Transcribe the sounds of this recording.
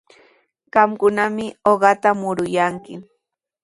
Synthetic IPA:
ɢ̥ɑmkʊnamɪoɢɑt̪amʊɾʊjaŋkɪ

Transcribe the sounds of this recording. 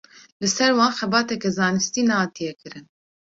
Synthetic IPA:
lɨsɛɾwɑːnxɛbɑːt̪ɛkɛzɑːnɨst̪iːnɛhɑːt̪ijɛkɨɾɨn

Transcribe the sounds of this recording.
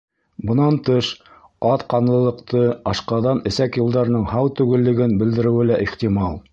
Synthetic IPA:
bɤ̆nɑnt̪ɤʃ | ɑt̪qɑnlˠɤ̆lˠɤ̆qt̪ɤɑʃqɑðɑnɘ̆sækjŏlˠd̪ɑɾɤ̆nɤɴhɑwt̪ʉɡɘ̆lːɘ̆ɡɘnbɘ̆ld̪ɘ̆ɾɘ̆wɘlæʔiχt̪imɑlˠ

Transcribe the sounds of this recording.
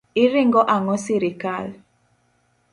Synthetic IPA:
ɪɾɪŋɡɔʔaŋɔsiɾɪkal

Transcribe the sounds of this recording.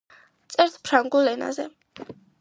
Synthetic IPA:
t̪sʼɛɾt̪ʰpʰɾaŋɡulɛna̰zɛ

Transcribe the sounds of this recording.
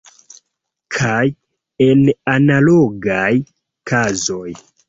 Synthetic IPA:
kʰaj | enanaloɡaj | kʰazo̞j

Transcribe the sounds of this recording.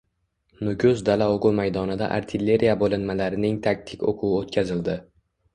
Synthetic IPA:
nʊɡʲʊzd̪alaoqʊmajd̪ɒnɪd̪a̰ʔa̰ɾt̪ʰɪlːe̞ɾijabolˠɪnmalaɾɪnɪŋt̪ʰak̚ʲt̪ʰɪkʲoqʰʊɪot̪̚kʲʰazɪld̪ɪ

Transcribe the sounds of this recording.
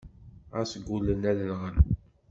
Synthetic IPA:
æsəɡʷːulənæðənʁən

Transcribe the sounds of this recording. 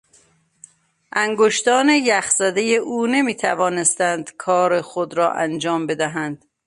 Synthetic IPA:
ʔæŋɡoʃt̪ɒːne̞jæxz̥æd̪e̞jeʔuːne̞miːt̪ʰævɒːne̞st̪ænd̪̥kʰɒːɾexod̪ɾɒːʔæ̰nd͡ʒɒːmbe̞d̪æɦænd̪̥

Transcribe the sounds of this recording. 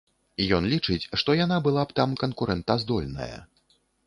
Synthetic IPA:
jɔnlʲit͡ʂɨt͡sʲʂt̪ɔjanabɨlˠapt̪amkɐnkuɾɛnt̪ɐzd̪ɔlʲnɐ̰jɐ̰

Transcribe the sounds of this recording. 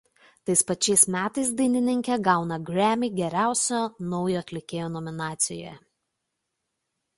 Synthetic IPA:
t̪ɐɪspɐt͡ʃʲɛɪsmʲæːt̪ɐɪsd̪ɐɪnʲɪnʲɪŋʲkʲɛɡɑˑʊnɐɡɾʲæmʲiɡʲɛɾʲæˑʊsʲoːnɔʊjoːɐt̪ʲlʲɪkʲeːjoːnɔmʲɪnɑːt̪sʲɪjo̰ːjɛ

